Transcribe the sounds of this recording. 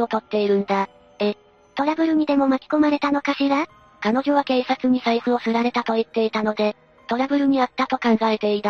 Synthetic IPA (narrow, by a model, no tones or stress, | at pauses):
o̞t̪o̞t̪ːe̞iɾɯ̟̃nd̪a | e | t̪o̞ɾabɯ̟ɾɯ̟ɲ̟ʲid̪e̞mo̞makʲi̥ko̞maɾe̞t̪ano̞kaɕiɾa | kano̞ʑo̞β̞ake̞ːsat͡sɨɲ̟isaisɨo̞sɨɾaɾe̞t̪at̪o̞it̪ːe̞it̪ano̞d̪e̞ | t̪o̞ɾabɯ̟ɾɯ̟ɲ̟iat̪ːat̪o̞kãŋɡae̞t̪e̞it̪a